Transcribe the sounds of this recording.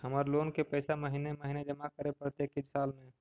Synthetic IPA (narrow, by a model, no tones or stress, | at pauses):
ɦəmaːɾloːnkepəɪsaməɦineməɦined͡ʒəmakəɾepɾət̪jeːkɪd͡ʒsaːlmẽ